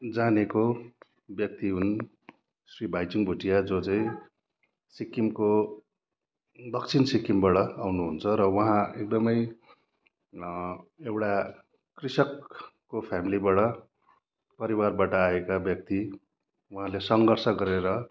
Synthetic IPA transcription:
d͡zaneko | bjʌk̚t̪iɦun | sribʱajt͡suŋbʱuʈijad͡zot͡saĩ | sikimko | d̪ʌkt͡sʰinsikimbaɽʌawnuɦunt͡sʰʌɾʌwʌɦãek̚d̪ʌmʌj | ewʈa | krisʌkː | opʰjamilibaɽʌ | pʌɾiwarbaʈʌaekabjʌk̚t̪i | wʌɦãlesʌŋɡʌrsʌɡʌɾeɾʌ

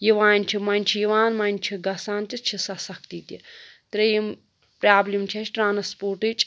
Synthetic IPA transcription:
jiʋaːnʲt͡ʃʰimɐnʲt͡ʃʰijiʋaːnmɐnʲt͡ʃʰiɡɐsaːnt͡ʃit͡ʃʰisɐsɐk̚t̪iːt̪it̪ɾɐjim | pɾaːblʲimt͡ʃʰɐt͡ʃʰʈɾaːnɐspoːɾʈɨt͡ʃʼ

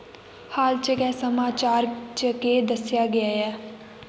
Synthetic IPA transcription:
haːlt͡ʃəkɛːsəmaːt͡ʃaːɾt͡ʃəked̪əsjaːɡɐjaːɛː

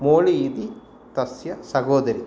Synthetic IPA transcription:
moːɭiːd̪i | t̪ɐsjɐsɐɡoːd̪ɐɾi

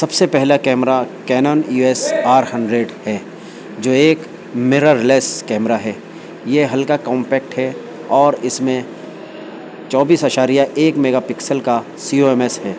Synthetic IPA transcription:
sɐbsepɛɦlakɛːmɾakɛːnɔːnjuɛːsaːɾhɐ̃ɳɖɾeɖhɛː | d͡ʒoːeːk | mɪɾaɾɪleːskɛːmɾaɦɛː | jeɦɐlkakɔ̃ːmpɛːk̚ʈɦɛ | ɔːɾɪsmẽ | t͡ʃɔːbiːsaʃaːɾijaʔeːkmeːɡapɪksəlka | siːoːɛːmesɦɛː

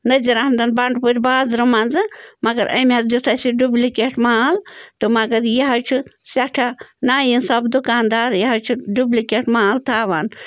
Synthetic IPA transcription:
nɐd͡ʒiɾahmd̪ɐnbɐɳɖpuɾʲbaːzɾɨmɐnzɨmɐɡɐɾʔɐ̰mʲɐzd̪ut̪ʰasiɖublʲikʲeʈʰmaːlt̪ɨmɐɡɐɾjɐɦɐt͡ʃʰusɐʈʰanaːjinsɐbd̪ukaːnd̪aːɾjɐɦɐt͡ʃʰuɖublikeʈʰmaːlt̪ʰaːʋaːn

